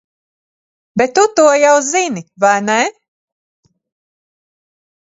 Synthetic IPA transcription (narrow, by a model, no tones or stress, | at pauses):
bɛt̪ːut̪uɔjawzinivajnɛ